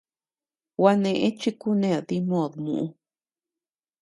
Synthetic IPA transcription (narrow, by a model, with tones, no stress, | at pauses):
wa˧nẽ˧ʔẽ˦t͡ʃi˦ku˦nẽ˦˧˨ði˦mõ˦˨ðmṵ̃˨ʔũ˧